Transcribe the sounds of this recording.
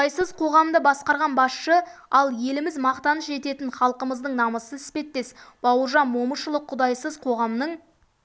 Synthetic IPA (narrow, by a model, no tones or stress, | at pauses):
ɑjsəzqʰo̞ʁɑmd̪əbɑsqɑɾʁɑnbɑsʃəɑlˠje̞lɪmɪzmɑqt̪ɑnəsʒe̞t̪e̞t̪ɪnχɑlˠqəməzd̪əɴnɑməsəɪspe̞t̪ːe̞sb̥ɑwəɾʒɑnmo̞məʃəlˠəqʰʊd̪ɑjsəzqʰo̞ʁɑmnəɴ